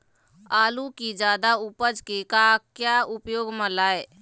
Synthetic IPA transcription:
aːlukid͡ʒaːd̪aupəd͡ʒkekakjaʊpjoːɡmə̃laːe

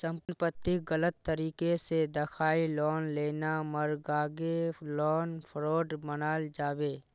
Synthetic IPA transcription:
sə̃mpnpət̪ːɪɡələt̪ːəɾiːkesed̪əkʰaːilɔːnleːnaməɾɡaːɡelɔːnpʰɾoːɖbənaːld͡ʒaːbeː

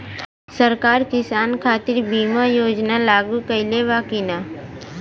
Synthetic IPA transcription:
səɾkaːɾkɪsaːnkʰaːt̪ɪɾbiːmajoːd͡ʒnalaːɡukəɪleʋaːkina

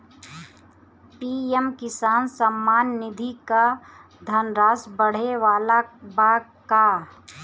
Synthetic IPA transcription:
piːɛmkɪsaːnsəmːaːnːɪd̪ʱika | d̪ʱɐnɾaːsbəɽ̤eʋaːlabaːka

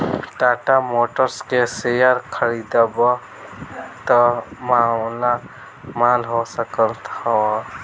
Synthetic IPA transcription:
ʈaːʈamoːʈəɾskesejəɾkʰəɾid̪abə | t̪əmala | malɦosəkəlt̪awa

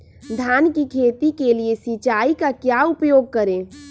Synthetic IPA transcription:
d̪ʱjaːnkikʰeːt̪ikeliesit͡ʃaːikakjaʊpjoːɡ̚kəɾẽː

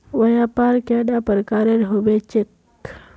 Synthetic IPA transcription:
ʋɐjapaɾkaɖapəɾkaːɾeɾɦobet͡ʃɪk

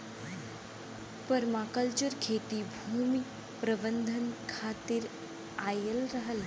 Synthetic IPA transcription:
pəɾmaːkəlt͡ʃəɾkʰeːt̪ibʱuːmi | pɾəbə̃nd̪ʱənkʰaːt̪ɪɾ | aːjəlɾəɦəl

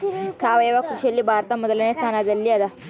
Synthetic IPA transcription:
sʰaːʋɐjeʋakɾuʃɐlːibʱaːɾt̪amɔd̪ɐlɐnest̪ʰaːnad̪ɐlːiɐd̪a

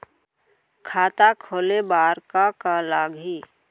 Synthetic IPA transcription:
kʰaːt̪akʰoːlebaːɾkakalaːɡɦiː

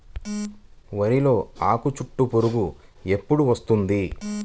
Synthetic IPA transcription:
ʋɐɾilo̞ːaːkut͡ʃuʈːupoɾuɡue̞pːuɽuʋɐst̪und̪i

